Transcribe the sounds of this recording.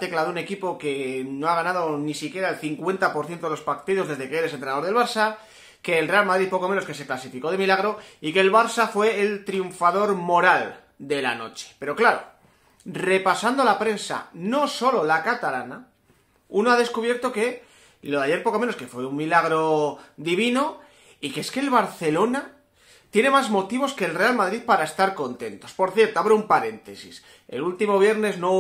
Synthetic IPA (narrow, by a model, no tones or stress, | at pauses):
t̪e̞klaðoune̞kipo̞ke̞no̞aɣanað̞o̞nisikje̞ɾaelθiŋkwe̞nt̪apo̞ɾθje̞nt̪oelo̞spakt̪iðo̞zðe̞zðe̞keeɾesent̪ɾenaðoðelβaɾsa | ke̞ːlre̞almaðɾiðpo̞ko̞menoske̞se̞klasifiko̞ðe̞milaɣ̞ɾo̞ike̞ːlβ̞aɾsafwe̞ːlt̪ɾiuɱfaðo̞ɾmo̞ɾal | d̪e̞lano̞̰t͡ʃe̥pe̞ɾo̞klaɾo̞̰ | re̞pasand̪olapɾe̞nsa̰no̞so̞lo̞lakat̪alana | unoaðe̞skuβje̞ɾt̪o̞ke̞ | loðeaʝe̞ɾpokome̞noske̞fwe̞ummilaɣ̞ɾo̞ðiβ̞ino̞ | ikeeske̞ːlβaɾθe̞lo̞na | t̪je̞ne̞mazmo̞t̪iβ̞o̞ske̞ːlre̞almaðɾiðpaɾae̞st̪aɾko̞nt̪ẽ̞nt̪o̞spo̞ɾθje̞ɾt̪oaβɾeumpaɾe̞nt̪e̞sḭs | e̞̰lult̪imo̞β̞je̞ɾne̞zno